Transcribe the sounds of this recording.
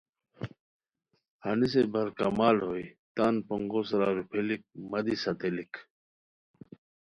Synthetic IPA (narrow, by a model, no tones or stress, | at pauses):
hɐnis̬ebɐɾkamaːlɦoːit̪aːnpɐŋɡosɾaːɾupʰelik̚mɐd̪isɐt̪elik